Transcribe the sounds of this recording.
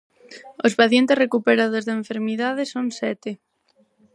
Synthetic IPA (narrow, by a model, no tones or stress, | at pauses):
ospaθjent̪esrekupeɾaðozðeeɱfeɾmiðað̞esoŋsɛt̪ɪ